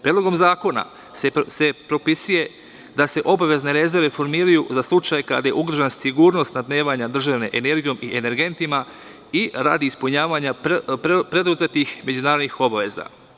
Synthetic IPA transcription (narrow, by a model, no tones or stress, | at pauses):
pɾʲed̪lo̞ɡo̞mzaːko̞na̰ | se̞pɾo̞pisuje̞ | d̪ase̞ʔo̞baʋe̞zne̞ɾe̞zeɾʋe̞fo̞ɾmiːɾajuzaslˠut͡ʃajka̰d̪aje̞̰ʔuɡɾ̩ʒansiɡuːɾno̞st̪nad̪ne̞ːʋaɲad̪r̩ʒaʋne̞ʔene̞ɾɡijo̞miʔene̞ɾɡe̞nt̪ima | iɾa̰ːd̪iːspuɲaːʋaɲappɾe̞d̪uzet̪ixme̞d͡ʒunaːɾod̪nixo̞baʋe̞za̰